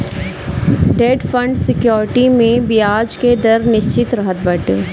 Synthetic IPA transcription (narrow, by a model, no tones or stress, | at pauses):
ɖeːɖfə̃ɳɖsɪkjɔːɾɪʈimẽbijaːd͡ʒked̪ɐɾnɪʃt͡ʃɪt̪ɾɐɦət̪̚bɐʈ